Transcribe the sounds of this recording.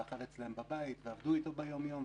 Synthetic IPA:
aχaʁet͡slaembabajit̪veavd̪uit̪o̞bejo̞mjo̞m

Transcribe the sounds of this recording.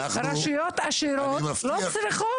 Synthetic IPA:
ɾaʃujot̪aʃiɾomflɔt͡sɾiχo

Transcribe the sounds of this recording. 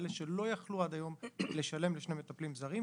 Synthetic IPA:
leʃe̞lo̞jaχluad̪ajo̞mle̞ʃale̞mleʃne̞jmet̪aplimzaʁi

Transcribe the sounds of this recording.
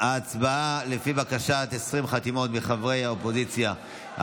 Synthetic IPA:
aːt͡sbaalefibakaʃat̪esʁimχat̪imo̞t̪biχavʁejhaopo̞zit͡sja̰

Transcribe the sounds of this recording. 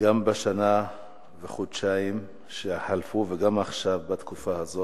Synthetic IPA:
ɡambaʃana | veχod̪ʃaim | ʃehalfuveɡamaχʃavbat̪kufahazo

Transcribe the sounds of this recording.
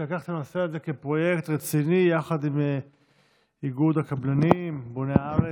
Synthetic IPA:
lakaχt̪anoseazekepʁo̞je̞kt̪ʁet͡sinijaχad̪im | iɡud̪akablanimboneaaʁe

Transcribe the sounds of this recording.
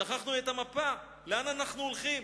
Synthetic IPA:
aχaχnuet̪amapa | leananaχnuolχim

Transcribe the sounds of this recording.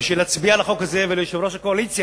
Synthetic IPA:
ʃelat͡sbialaχokaze̞velejoʃevɾo̞ʃakoalit͡sja

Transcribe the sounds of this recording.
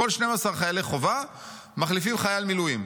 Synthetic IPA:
olʃnemasaʁχajaleχova | maχlifimχajalmilujim

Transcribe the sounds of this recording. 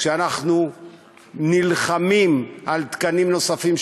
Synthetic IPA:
ʃeanaχnu | nilχamimalt̪kanimno̞safim

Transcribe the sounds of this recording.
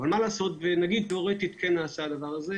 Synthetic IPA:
valmalaːso̞t̪venaɡid̪̚toʁet̪it̪kʰenaːsaad̪avaʁaze

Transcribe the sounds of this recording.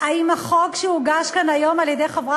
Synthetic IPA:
aimaχokʃeuɡaʃkanajo̞maljed̪e̞jχavʁa

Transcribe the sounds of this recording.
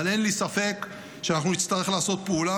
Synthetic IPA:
ale̞nlisafe̞k | ʃeanaχnunit̪st̪aʁe̞χlaːso̞t̪̚peula

